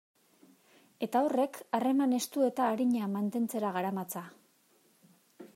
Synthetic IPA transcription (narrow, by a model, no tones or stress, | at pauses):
e̞t̪ao̞re̞kare̞mane̞st̪ue̞t̪aːɾiɲamant̪e̞nt͡se̞ɾaɣaɾamat͡sa